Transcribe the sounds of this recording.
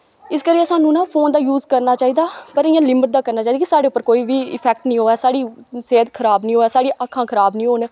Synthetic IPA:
ɪskəɾiːəsaːnũːnãːpʰoːnd̪aːjuːzkəɾnaːt͡ʃaːiːd̪aːpəɾɪːãːlɪməʈ̚d̪aːkəɾnaːt͡ʃaːid̪akisaːɖeːʊpːəɾkoːiːʋiːɪ̰pʰɛːk̚ʈnĩːɦoːɛːsaːɽiːseːd̪kʰəɾaːbnĩːɦoːɛːsaːɽiːʔakʰːãːkʰəɾaːbnĩːɦoːn

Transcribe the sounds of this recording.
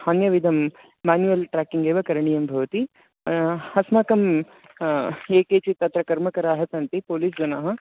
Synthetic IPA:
haːnjɐʋid̪ʱɐmː | aːnjuɐlʈɾaːkiŋɡeːʋɐkɐɾɐɳijɐmbʱɐʋɐt̪i | hɐsmɐkɐm | eːkeːt͡ʃit̪ɐt̪ɾɐkɐɾmɐkɐɾaːɦɐsɐnt̪ipoːliːs̬d͡ʒɐnaːɦɐ̆

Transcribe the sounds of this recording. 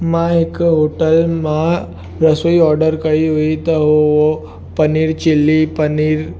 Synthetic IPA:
maɦekɦoʈəlma | ɾəsəiːɔɾɖəɾkaɦiɦoit̪əɦoo | pəniːɾt͡ɕilːipəniːɾ

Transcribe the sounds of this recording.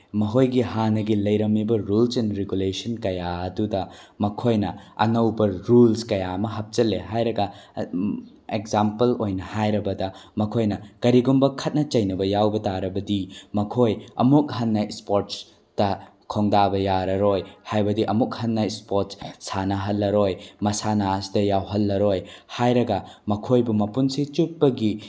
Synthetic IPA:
mɐɦojɡihanɐɡilɐjɾɐmːibɐɾulsenɾeɡulesɐnkɐjaɐdudɐmɐkʰojnɐɐ̰ŋɐwbɐɾulskɐjaɐmɐɦɐp̚t͡ʃɐlːeɦajɾɐɡɐ | ekzampɐlojnɐhajɾɐbɐdɐmɐkʰojnɐkɐɾiɡumbɐkʰɐt̚nɐt͡ʃɐjnɐbɐjawbɐtaɾɐbɐdimɐkʰojɐ̰muk̚hɐnːɐspoɾt̚s | tɐ | kʰoŋdabɐjaɾɐɾojhajbɐdiʔɐmuk̚hɐnːɐspoɾt̚ssanɐɦɐlːɐɾojmɐsanaɐsidɐjawɦɐlːɐɾojhajɾɐɡɐmɐkʰojbumɐpunsit͡ʃut̚bɐɡi

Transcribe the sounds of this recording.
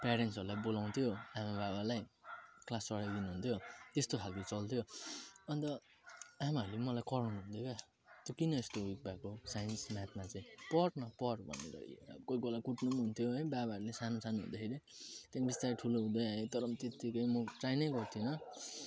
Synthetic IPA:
peɾensʌɾulajbolaw̃nt̪ʰjoamabaβalajklasːʌɽajd̪inuɦunt̪ʰjot̪est̪okʰalkot͡sʌlt̪ʰjoʌnt̪ʌ | amaɦʌɾulemʌlajkʌɾawnuɦund̪joka | t̪jokinʌest̪owik̚bakosajʌnsmat̪̚mat͡saĩpʌʈnʌpʌɽbʱʌ̰nːḭɾʌ̰ḭo̰kojkolakuʈnumɦunt̪ʰjoɦʌjbabaɾulesanosanuɦṵnd̪akʰeɾit̪abist̪aɾiʈʰuloɦũd̪ʌjaet̪ʌɾʌmt̪et̪ikʌjmʌʈrajnʌjɡʌrt̪ʰinʌ

